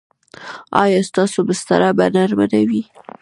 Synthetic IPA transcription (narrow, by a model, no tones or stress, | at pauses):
ɑ̰jɑst̪ɑsobəst̪a̰ɾabanaɾmadawi